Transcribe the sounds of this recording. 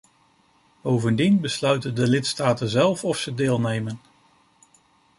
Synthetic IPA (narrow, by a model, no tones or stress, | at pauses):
b̥owvəndinbəslœɥtəndəlɪtstaːtənzɛlˠfɔfsədeːlˠnejmən